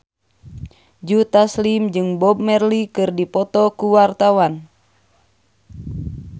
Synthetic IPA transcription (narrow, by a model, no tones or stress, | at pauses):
d͡ʒut̪aslimd͡ʒɨŋbɔb̚mɛrlikɨrdipɔt̪ɔkuwart̪awan